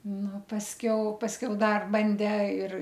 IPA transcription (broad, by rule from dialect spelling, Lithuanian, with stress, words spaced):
ˈnʊ pɐsʲˈkʲɛʊ pɐsʲˈkʲɛʊ ˈdɐr ˈbɐnʲdʲeː ɪr